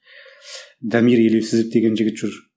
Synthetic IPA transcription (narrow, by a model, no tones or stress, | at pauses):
d̪æmiɾjelewsɪzɪp̚d̪e̞ɡʲenʒɪɡɪt̪ʒ̥ʊɾ